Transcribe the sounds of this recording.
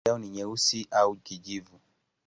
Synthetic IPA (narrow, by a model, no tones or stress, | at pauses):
auniɲɛusiʔaukiʄivu